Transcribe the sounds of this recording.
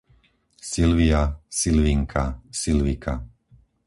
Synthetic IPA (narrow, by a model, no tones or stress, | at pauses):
silʋiasilʋiŋkʰasilʋikʰa